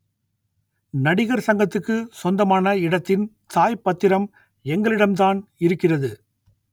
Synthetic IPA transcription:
nɐɽɪɣɐɾsɐŋɡɐt̪ːɯkːɯsɔnd̪ɐmaːnɐɪɽɐt̪ːɪn | t̪aːjpɐt̪ːɪɾɐm | ɛŋɡɐɭɪɽɐmt̪aːnɪɾɯkːɪrɐðɯ

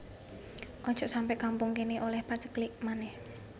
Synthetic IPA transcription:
ʔɔɲd͡ʒɔʔsampɛʔkampuŋkeniʔolɛhpat͡ʃəkliʔmanɛh

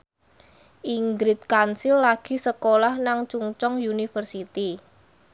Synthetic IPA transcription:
ʔiŋɡɾɪt̪̚kansilːaɡ̥i̤səkolahnaŋt͡ʃuŋt͡ʃɔŋjunifərsit̪i

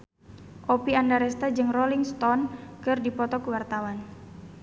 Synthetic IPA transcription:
ʔopiandaɾɛst̪ad͡ʒɨŋrɔliŋst̪ɔnkɨrdipɔt̪ɔkəwart̪awan

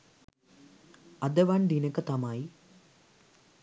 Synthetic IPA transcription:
ɐd̪ɐʋand̪inɐkːɐt̪ɐmaːi

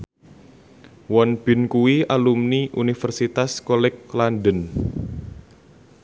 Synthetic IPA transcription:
wɔnb̥ɪ̤nkuwialumniʔunifərsit̪askolɛklanɖən

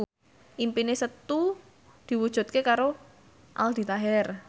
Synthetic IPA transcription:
ʔimpinesət̪u | d̪̥i̤wud̥ʒ̥ṳt̪̚kekaɾo | ʔa̰ld̪̥i̤t̪aɦɛr

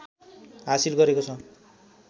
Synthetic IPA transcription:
ɦasilɡʌɾekot͡sʰʌ

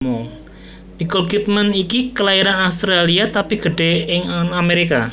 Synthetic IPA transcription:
mo | bikɔlɡit̪̚manikikəlaiɾanaust̪ɾaliat̪apiɡ̥ə̤ɖ̥e̤ɪŋŋameɾika

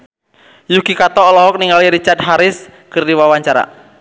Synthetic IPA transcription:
jukikat̪ɔːlɔɦɔk̚niŋɡaliɾit͡ʃart̪̚ɦaɾɪskɨrdiwawaɲt͡ʃaɾa̰

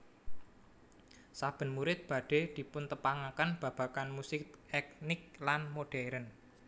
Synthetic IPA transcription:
sab̥ə̤nmuɾɪt̪̚b̥ä̤ɖ̥e̤d̪̥i̤pʊnt̪əpaŋakənb̥ä̤b̥ä̤kanmusɪkɛknɪk̚lanmoɖ̥ɛɾən

